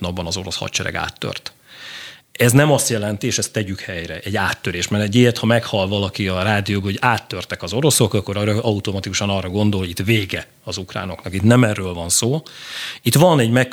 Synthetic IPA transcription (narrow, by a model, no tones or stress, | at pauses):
nɒbːɒnɒzo̞ɾo̞̰shɒ̰t̪t͡ʃɛ̰ɾɛ̰ɡa̰ːt̪ːø̰rt̪ | ɛznɛmɒst̪jɛlɛnt̪ieːʃɛst̪ːɛɟykhɛjɾɛʔɛɟːaːt̪ːøɾeːʃmɛɾɛɟeːt̪hɒmɛkhɒlvɒlɒkiɒraːd̪ijoːɡhoɟaːt̪ːørt̪ɛkɒzo̞ɾo̞so̞kɒkːo̞ɾɒʔɒut̪o̞mɒt̪ikuʃɒnɒrɒɡo̞nd̪olhoit̪veːɡɛ | ɒzukra̰ːno̞̰knɒkit̪nɛmɛrːøːlvɒnsoːlit̪ʋɒnɛɟmɛk